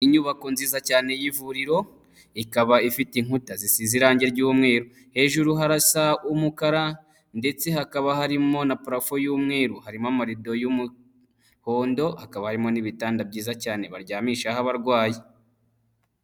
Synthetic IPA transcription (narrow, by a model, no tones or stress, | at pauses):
iɲuβako̞nziːzacaːne̞jivuɾiɾo̞ | ikaβaifitiŋutazisiziɾaːɲɟeɾɟuːmŋe̞ːɾu | he̞ːʒuɾuɦaɾasaumukaɾa | nde̞t͡se̞ɦakaβahaɾimo̞napɾafo̞juːmŋe̞ːɾuhaɾimamaɾido̞jumu | ho̞ːndo̞hakaβahaɾimo̞niβitaːndabɟiːzacaːne̞βaɾɟaːmiːʃahaβaɾɡwaːji